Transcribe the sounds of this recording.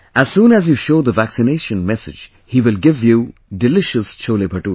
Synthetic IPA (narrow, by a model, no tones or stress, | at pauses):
æz̥sũːnæzjuʃoːd̪əvæksɪneʃə̃nmɛsɪ̰d͡ʒ | hiːʋɪlɡɪvjudɪlɪʃəst͡ʃʰoːlepʰəʈu